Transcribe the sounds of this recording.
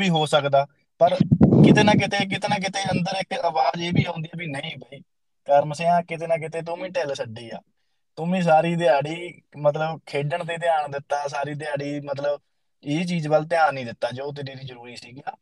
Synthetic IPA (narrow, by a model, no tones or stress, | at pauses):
biːɦoːsəkd̪aː | pəɾkɪt̪eːnãːk̬ɪt̪eːk̬ɪt̪eːnãːk̬ɪt̪eːənd̪əɾɪkəʋaːd͡ʒeːbiːɦõːnd̪iaːbiːnəĩːpəiː | kəɾməseːãːkɪt̪eːnãːk̬ɪt̪eːt̪̬ʊmĩːʈɛːlsəɖiːa̰ː | t̪ʊmẽːs̬aːɾiːd̪ɪjaːɽiːmət̪ləbkʰeːɖəɳt̪eːt̪ɪaːɳd̪ɪt̪ːaːsaːɾiːd̪ɪaːɽiːmət̪̬ləb | eːt͡ʃiːd͡ʒbəlt̪ɪjaːnnĩːd̪ɪt̪ːaːd͡ʒoːt̪̬ɪnẽːɾiːzəɾuːɾiːsiːɡjaː